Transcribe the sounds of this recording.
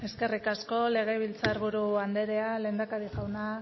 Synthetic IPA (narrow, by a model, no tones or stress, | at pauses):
e̞ske̞rikasko̞le̞ɣ̞e̞β̞ilt͡saɾβuɾuand̪e̞ɾe̞ale̞ːnd̪akaɾiʝawna